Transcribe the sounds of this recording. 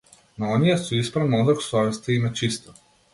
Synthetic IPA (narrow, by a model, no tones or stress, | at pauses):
naɔnijasuispɾavnɔd̪ɾɔksɔɛst̪aimɛt͡ʃist̪ɔ̥